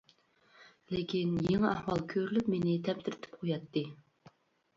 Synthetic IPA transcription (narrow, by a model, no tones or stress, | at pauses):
lekʲinjeŋɨɑhwɑlˠkʲʰøɾylypmenɪt̪ʰɛmt̪ʰɪɾɪt̪ʰɪ̥p̚qʰojɑt̪ːɨ